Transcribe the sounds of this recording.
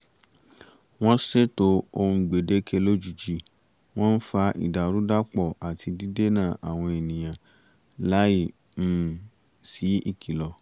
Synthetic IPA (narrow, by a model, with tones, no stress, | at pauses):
w̃ɔ̃˦se˦to˧˦o˧ũ˧ɡ͡be˨de˦kʰe˧˦lo˦d͡ʒu˨d͡ʒi˦˨ | w̃ɔ̃˦n̩˦fa˧ʔḭ˨da˨ɾu˨˦da˦k͡pɔ˦˨a˨tʰi˧di˦de˦nã˦˨ʔa˨w̃ɔ̃˧e˨nĩ˨j̃ã˨ | la˨˦ji˦˨ | m̩˦˨ | si˨˦i˦˨kʰi˨lɔ˨